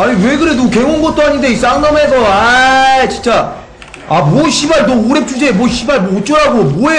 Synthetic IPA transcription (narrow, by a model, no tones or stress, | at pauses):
aɲiwe̞ɡɯɾenuke̞ŋonɡʌt̚t͈oɦaɲindeis͈aŋnames̬ʰʌat͡ɕint͡ɕ͈a | amwoɕʰibaɭtooɾe̞p̚t͡ɕ͈ʰud͡ʑe̞moɕʰibaɭmoot͡ɕ͈oɾaɡomoe